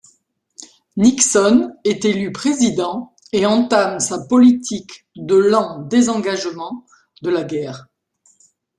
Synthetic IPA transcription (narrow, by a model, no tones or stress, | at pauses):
niksɔnɛt̪elypχezid̪ɑ̃ | eɑ̃t̪amsapɔlit̪ʰik | d̪əlɑ̃d̪ezɑ̃ɡaʒmɑ̃ | d̪əlaɡʲɛːʁ